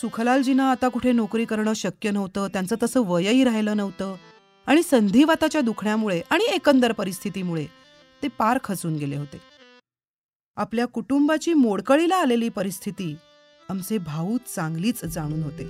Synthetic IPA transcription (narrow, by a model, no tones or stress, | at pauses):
sukʰlald͡ʑinaːt̪akuʈʰenokɾiːkəɾɳəːɕəkjənəʋt̪əːt̪jant͡səːt̪əsəːʋəjəiːɾaɦjləːnəʋt̪əː | aɽ̃isənd̪ʱiːʋat̪at͡ɕjad̪ukʰɳjamuɭeʔaɽ̃iekənd̪əɾpəɾist̪ʰit̪iːmuɭe | t̪epaɾkʰət͡suːnɡelḛɦot̪e | apljakuʈumbat͡ɕiːmoɽkəɭilaːleliːpəɾist̪ʰit̪iː | amt͡sebʱauːt̪t͡sãŋɡliːt͡sd͡zaɽ̃uːnɦot̪e